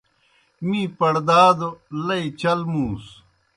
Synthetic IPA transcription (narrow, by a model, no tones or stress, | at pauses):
mĩːpɐɽd̪aːd̪olɐit͡ɕɐlmũːs